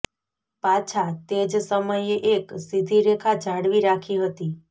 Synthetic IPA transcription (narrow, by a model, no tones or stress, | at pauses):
pat͡ʃʰat̪ed͡ʒsəməjeʔeksid̪ʱiɾekʰad͡ʒʱaɽʋiɾakʰiɦət̪i